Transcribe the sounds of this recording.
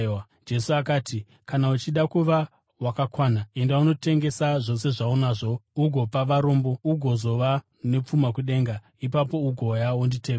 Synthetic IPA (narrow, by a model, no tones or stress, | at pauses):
d͡ʒe̞suakaːti | kanaut͡ʃiɗakuʋa | wakakwaːnae̞ndauno̞te̞ŋɡe̞saʐo̞se̞ʐaonaʐo̞uɡʱo̞paʋaɾo̞ːmbo̞uɡʱo̞zo̞ʋa | ne̞p͡fumakuɗe̞ːŋɡa | ipapo̞uɡʱo̞jaundite